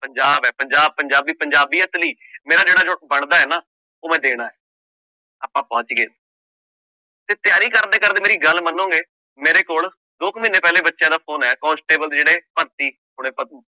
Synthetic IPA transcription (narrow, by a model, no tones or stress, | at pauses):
pəɲd͡ʒaːbɛːpəɲd͡ʒaːb̚pəɲd͡ʒaːbiːpəɲd͡ʒaːbiːət̪liː | meːɾaːd͡ʒeːɽaːd͡ʒobəɳd̪aːɛːnaː | oːmɛ̃ːd̪eːɽ̃aːɛː | aːpãːpɔ̃ːt͡ʃɡeː | t̪eːt̪ɪjaːɾiːkəɾd̪eːkəɾd̪eːmeːɾiːɡəlmənːõːɡeː | meːɾeːkoːl | d̪oːkminːeːpɛːleːbətːʃjãːd̪aːpʰoːnɛːkɔ̃ːnsʈeːbəld̪d͡ʒeːɽeːpəɾt̪iː | ɦʊɽ̃ẽːpə